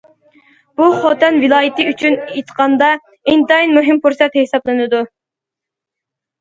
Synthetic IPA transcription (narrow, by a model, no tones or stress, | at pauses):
b̥uχɑt̪ɛnvɪlˠɑːjɪt̪ɨyt͡ʃʰynet̪ʰqɑnd̪ɑ | int̪ɑinmuɦɪmpuɾsɛt̪hesɑblˠɨnɨd̪u